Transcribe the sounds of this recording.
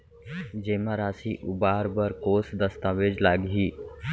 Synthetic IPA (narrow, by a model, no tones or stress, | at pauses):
d͡ʒeːmaɾaːsiʔʊbaːɾbəɾkoːsd̪əst̪aːʋeːd͡ʒlaːɡɦiː